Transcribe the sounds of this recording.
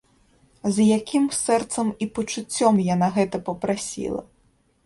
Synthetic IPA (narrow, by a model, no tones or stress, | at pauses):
zjakʲimsɛrt̪sɐmipɐt͡ʂut͡sʲːɔmjanaɣɛt̪ɐpɐpɾasʲḭlˠɐ̰